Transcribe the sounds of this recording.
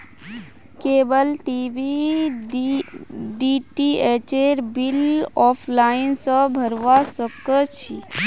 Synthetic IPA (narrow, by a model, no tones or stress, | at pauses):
keːbəlʈibi | ɖiʈieːt͡ʃeɾbilɔːpʰlaːɪnsəbʱəɾʋasəkət͡ʃʰi